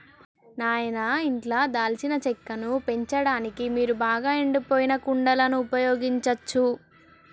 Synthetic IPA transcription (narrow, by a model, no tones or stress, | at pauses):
naːjɐnɐiɳʈlaːd̪aːlt͡ʃinɐt͡ʃɛkːɐnupe̞ɲt͡ʃɐɽaːnikimiːɾubaːɡaːeɳɖipoːjinɐkuɳɖɐlɐnuːpɐjɔːɡiɲt͡ʃɐt͡ʃːu